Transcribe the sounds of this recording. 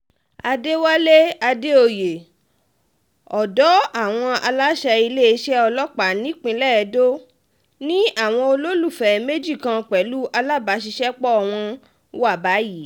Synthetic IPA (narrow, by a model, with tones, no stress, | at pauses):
a˧de˦wa˦le˦a˧de˦o˧˨je˨ | ɔ˨dɔ˨˦a˦˨w̃ɔ̃˧a˧la˦ʃɛ˧i˧le˦i˧ʃɛ˦ɔ˧lɔ˦k͡pa˨nĩ˨˦k͡pĩ˧lɛ˦˨ɛ˧do˦ | nĩ˦a˦˨w̃ɔ̃˧o˧lo˦lu˦˨fɛ˨me˦d͡ʒi˦˨kã˧k͡pɛ˨˦lu˦ʔa˧la˦˨ba˨˦ʃ̬i˧ʃɛ˦k͡pɔ˦ɔ˨w̃ɔ̃˧ | wa˦˨ba˨˦ji˦˨˦